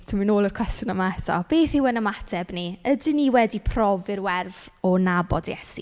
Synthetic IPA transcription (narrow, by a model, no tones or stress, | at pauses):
tʰuminoːlˠərkʰw̥ɛstjʊnəmaɛtʰɔ̰b̥eːθɪwənəmatʰɛbniədɪniwɛdipʰrɔvɪrwɛrvɔnabɔdjɛ̰sḭ